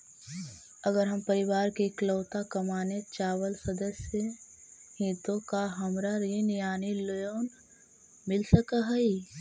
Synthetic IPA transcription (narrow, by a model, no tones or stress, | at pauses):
əɡəɾɦɐmpəɾɪʋaːɾkekləːʊt̪akɐmaːnet͡ʃaːwəlsɐd̪əsjə | hĩt̪õkaɦɐmɾaɾinɪjaːnilojoːn | mɪlsəkaɦɐi